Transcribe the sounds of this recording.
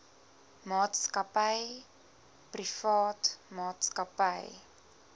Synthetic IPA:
mɑːtskɐpəj | prifɑːtmɑːtskɐpɐj

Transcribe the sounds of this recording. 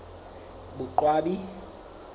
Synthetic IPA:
ɓuǃwaːɓi

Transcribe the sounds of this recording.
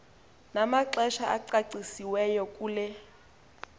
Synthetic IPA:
namaǀɛʃaʔaǀaǀisiwɛjɔkʼuːlɛ

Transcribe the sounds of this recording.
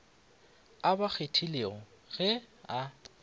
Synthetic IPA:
abak͡xʰetʰileɔ | ɣɛa

